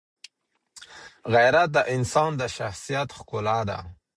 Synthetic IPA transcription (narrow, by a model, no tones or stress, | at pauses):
ɣajɾat̪̚d̪əʔɪnsɑnd̪əʃaxsijat̪xkʊlad̪a̰